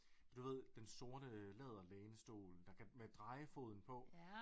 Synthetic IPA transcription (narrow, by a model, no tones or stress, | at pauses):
d̥uʋe̝ð̰ˠd̥enso̝ɐd̥əlɛð̞ˠɐlɛːnəsd̥o̝̰ːld̥ɑ̈kʰæmed̥ʁɑ̈ɪəfo̝ːð̞̰ˠn̩pʰɒ̽